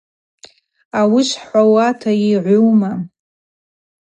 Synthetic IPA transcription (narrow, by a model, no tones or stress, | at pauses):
awiʃħʷawatʰajiʕʷʊwma